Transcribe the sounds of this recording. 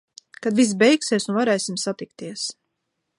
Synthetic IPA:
kad̪vis̬bɛjksiɛsunvaɾɛːsimsat̪ik̚t̪iɛs

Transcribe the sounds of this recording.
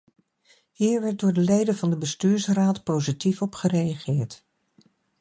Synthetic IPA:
hiːɹʋɛɹt̚dʊːɹdəlejdəvɑndəbəstyːɹsraːtpowzitifɔpχərejɑχɪːɹt

